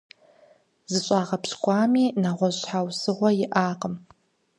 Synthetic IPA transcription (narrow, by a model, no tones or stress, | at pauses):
zɨɕʷʼaːʁɐpskʷʼaːmiːnaʁʷɔʑħawsɨʁʷɔjɪʔaːqəm